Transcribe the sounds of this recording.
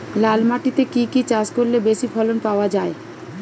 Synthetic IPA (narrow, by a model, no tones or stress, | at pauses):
lalmaʈit̪ekikit͡ɕaskoɾlebeʃifʰɔlonpaoad͡ʑae